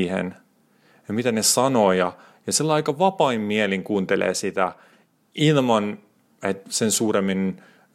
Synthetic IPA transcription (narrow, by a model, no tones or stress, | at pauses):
hḛn | jɑmit̪ænesɑnoːjɑ | jɑsilːɑikɑʋɑpɑimmieliŋkuːnt̪elḛːsit̪æ | ilmɑn | et̪sensuːɾemːin